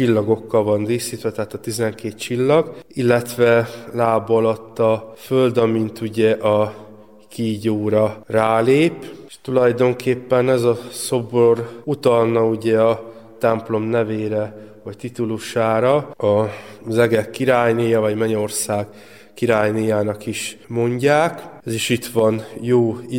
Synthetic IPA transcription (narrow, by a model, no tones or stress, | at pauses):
t͡ʃilːɒɡo̞kːɒlvɒnd̪iːsiːt̪ʋɛt̪ɛɦat̪ɒt̪izɛŋkeːt̪t͡ʃilːɒɡilːɛt̪ʋɛlaːbɒlɒt̪ːɒføld̪ɒmint̪uɟɛʔɒ | kiːɟoːɾɒraːleːpʃt̪ulɒjd̪o̞ŋkʰeːpːɛnɛzɒso̞borut̪ɒlnɒuɟɛɒ | t̪ɛmplo̞mnɛveːɾɛvɒct̪it̪uluʃaːɾɒɒzɛɡɛkːiɾaːjniːjɒvɒɟmɛɲo̞rsaːɡ | kiɾaːjnijaːnɒkiʃmo̞ɲɟaːkɛziʃit̪ʋɒnjoː